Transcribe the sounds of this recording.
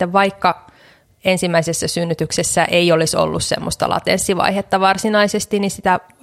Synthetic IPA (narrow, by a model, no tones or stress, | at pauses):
eʋʋɑikːɑ | ensimːæisesːæsynːyt̪yksesːæʔeioliso̰lːussḛmːost̪ɑ̰lɑ̰t̪ensːiʋɑ̰ihet̪ːɑʋɑrsinɑisest̪inisit̪æ